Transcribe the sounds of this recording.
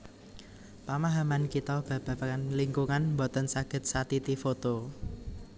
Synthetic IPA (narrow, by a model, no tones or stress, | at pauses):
pamaɦamankit̪ɔb̥ä̤b̥ä̤pakanliŋkuŋanmbɔt̪ənsaɡ̥ə̤t̪̚sat̪it̪ifot̪o